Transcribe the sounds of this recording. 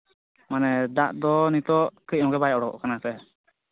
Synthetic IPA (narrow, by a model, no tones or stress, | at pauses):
manɛd̪aʔd̪ɔnit̪ɔʔkəc̚ˀɔ̃ɡɛbajʔɔɽɔɔ̰ʔkanasɛ